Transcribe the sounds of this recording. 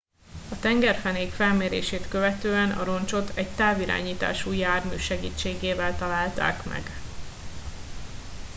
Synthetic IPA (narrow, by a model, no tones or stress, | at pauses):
ɒt̪ɛŋɡɛrfɛneːkfɛlmeːɾḛːʃeːt̪kø̞vɛt̪øːɛnɒ̰ɾo̞nt͡ʃo̞t̪ʰɛɟt̪aːviɾa̰ːɲiːt̪a̰ːʃuːjaːrmyːʃɛɡiːt͡ʃːeːɡeːvɛlt̪ɒlaːlt̪a̰ːkmɛ̰ɡ